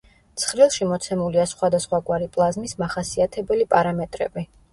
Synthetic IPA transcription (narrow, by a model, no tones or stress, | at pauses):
t̪sʰχɾilˠʃimɔt̪sʰɛmuliasχwad̪asχwaɡwaɾipʼlˠazmismaχasiat̪ʰɛbɛlipʼaɾamɛt̪ʼɾɛ̰bi